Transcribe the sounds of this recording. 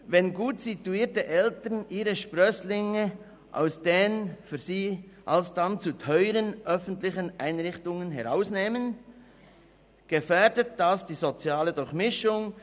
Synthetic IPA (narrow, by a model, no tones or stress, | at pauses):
vɛnɡuːtsituiːɐtəʔɛltənʔiːʁəʃpʁœslɪŋə | ʔa̰ʊsd̥eːənfyːziːʔalsd̥ant͡sutʰœʏʁənʔœfən̩tlɪçənʔa̰ɪnʁɪçtʊŋənɦɛʁaʊsneːmən | ɡ̥əfɛːdət̚d̥asd̥iːzot͡sjaːlədʊɾçmɪʃʊŋ